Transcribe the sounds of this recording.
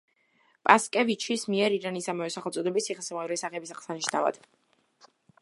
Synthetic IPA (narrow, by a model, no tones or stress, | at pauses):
pʼaskʼɛvit͡ʃʰismiɛɾiɾanisamavɛsaχɛlˠt̪sʼɔd̪ɛbisiχɛsɛmavɾɛsaχɛbisaχsaniʃna̰va̰d̪̥